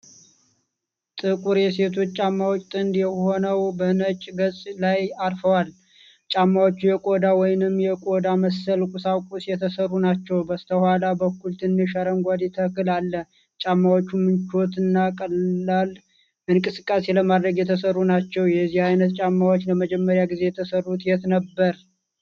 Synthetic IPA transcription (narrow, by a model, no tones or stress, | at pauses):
t̪ʼɨkʼuɾjɛse̞t̪ʰo̞t͡ʃːt͡ʃʼamːawot͡ʃːt̪ʼɨnd̪jɛho̞nəwbənət͡ʃʼɡəsʼlajaɾfəwal | t͡ʃʼamːawot͡ʃːujɛkʷʼod̪awɔjnɨmjɛkʼod̪aməsəlkʼusawkʼusjɛt̪ʰəsərːunat͡ʃːɛwbəst̪ʰəhhalabəkːult̪ʰɨnːɨʃaɾənɡʷad̪it̪ʰəkːɨlalːə | t͡ʃʼamːawot͡ʃːumɨnt͡ʃo̞t̪ɨnːakʼəlːal | ʔɨnkʼɨsɨkʼːase̞ləmad̪ɾəɡjɛt̪ʰəsərːunat͡ʃːɛwjɛzihajnət̪t͡ʃʼamːawot͡ʃːləməd͡ʒɛmːəɾjaɡize̞jɛt̪ʰəsərːut̪jɛt̪nəbːəɾ